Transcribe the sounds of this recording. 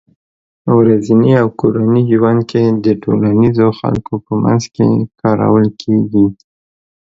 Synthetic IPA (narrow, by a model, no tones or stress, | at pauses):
əwɾaziniawkoɾaniʒwand̪̚kʰed̪əʈolanizoxa̰lkopəma̰nzkḛkʰɑɾa̰wəlkʰeɡi